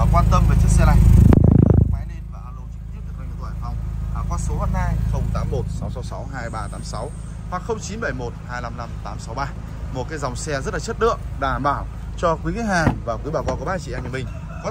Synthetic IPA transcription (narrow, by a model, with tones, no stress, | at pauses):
kwaː˧nt̪ə˧mvə˨˩t͡ɕɨ˦˥ksɛ˧la˧˩j | ma˨˦ne˧nvaː˨˩ʔaː˧nlo˧t͡ɕɨ˧˦˥k̚t̪i˦˥əɗ̪ɨː˨˩˨t̪ːa˧˨˩va˧˩wŋ͡mʔaː˨˩kwaː˧so˨˦ha˦˥thaː˧jxə˧wŋ͡mt̪aː˨˦mːo˨˩t̚sɔ˨˦wsɔ˨˦wsa˨˦wɦaː˧jɓaː˧t̪aː˨˦msa˨˦w | hwaː˨˧˩kxə˧wŋ͡mt͡ɕi˨˦nɓə˧˩jmo˨˩t̚haː˧jla˧mna˧mt̪aː˨˦msa˨˦wɓaː˧ | mo˨˩t̚kaː˨˦jza˨˩wŋ͡msɛ˧zə˦˥t̚la˨˩ə˦˥t̚ɗɨ̰˧˨əʔɗa̰ː˧aː˧˩mɓaː˧˩w | t͡ɕɔ˧kwi˨˦ki˨˦haː˨˩ŋvaː˨˩kwi˨˦ɓaː˧˩wkɔ˧˩ku˧˩ɓaː˧˩t͡ɕḭ˧˩ʔɛ˧mɲɨ̰˧˨mï˨˩ŋ̟ | kɔ˨˦